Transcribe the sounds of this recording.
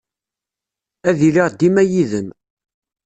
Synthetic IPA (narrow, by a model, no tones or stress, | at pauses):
æðiliʁd̪imæjiðəm